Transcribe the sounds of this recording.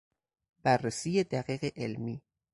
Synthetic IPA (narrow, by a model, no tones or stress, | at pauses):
bærːesiːjed̪æɣiːɣeʔelmiː